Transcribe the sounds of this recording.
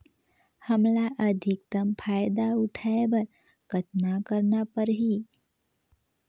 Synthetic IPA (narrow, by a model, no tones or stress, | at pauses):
həmlaʔəd̪ʱɪk̚t̪əmpʰaːjd̪aʊʈʰaebəɾ | kət̪nakəɾnapəɾɦi